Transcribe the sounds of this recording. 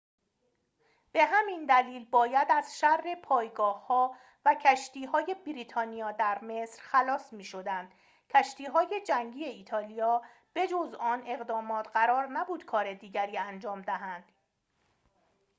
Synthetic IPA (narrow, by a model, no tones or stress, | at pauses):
b̥e̞ɦæmind̪æliːlbɒːjæd̪æz̥ʃærːe̞pʰɒːjɡɒːhːɒː | væcʰæʃt̪iːɦɒːje̞bɾiːt̪ʰɒːnijɒːd̪æɾme̞sɾxælɒːsmiːʃo̞d̪ænd̪̥ | cʰæʃt̪iːɦɒːje̞d͡ʒæŋɟiːe̞iːt̪ʰɒːlijɒː | b̥e̞d͡ʒozɒːne̞ɣd̪ɒːmɒːt̪ʰɢæɾɒːɾnæbuːd̪̥kʰɒːɾe̞d̪iːɟæɾiːænd͡ʒɒːmd̪æɦænd̪̥